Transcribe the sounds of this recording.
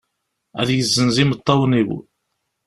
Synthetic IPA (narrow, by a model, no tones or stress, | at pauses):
æ̰ðjəzːənzimət̪ˤːɑwəniw